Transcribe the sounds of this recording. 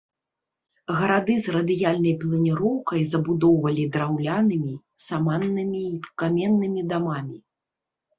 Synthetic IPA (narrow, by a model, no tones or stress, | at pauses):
ɣɐɾad̪ɨzrɐd̪ɨjalʲnɐjplˠɐnʲiɾɔwkɐjzɐbud̪ɔwvɐlʲid̪ɾawlʲanɨmʲi | samanːɨmʲiːkamʲɛnːɨmʲid̪amamʲi